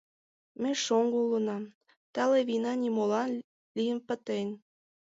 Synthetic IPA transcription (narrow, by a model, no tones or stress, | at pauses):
mĕʃoŋɡulənɑm | t̪ɑleβinɑnimolɑn | lʲijənpə̆t̪en